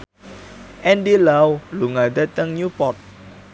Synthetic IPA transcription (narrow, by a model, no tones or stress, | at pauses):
ʔɛndilawluŋad̪at̪əŋɲupɔt̪̚